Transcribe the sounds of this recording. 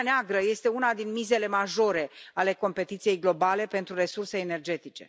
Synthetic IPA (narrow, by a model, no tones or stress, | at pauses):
neaɡɾəje̞st̪e̞unad̪inmize̞le̞maʒo̞ɾe̞ale̞ko̞mpe̞t̪it̪sije̞jɡlo̞bale̞pe̞nt̪ɾure̞surse̞ːne̞rd͡ʒe̞t̪it͡ʃe̞